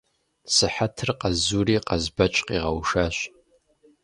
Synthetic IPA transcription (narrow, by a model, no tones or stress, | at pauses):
sɨħatʰɨrqʼazuɾiqʼazbat͡ʃʷʼqʼiʁawʂaʃʷ